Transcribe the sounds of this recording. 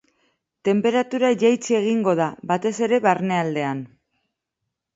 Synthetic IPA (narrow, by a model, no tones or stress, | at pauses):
t̪e̞mpe̞ɾat̪uɾaʝajt͡sie̞ɣ̞iŋɡo̞ð̞abat̪e̞se̞ɾe̞βarne̞ald̪e̞an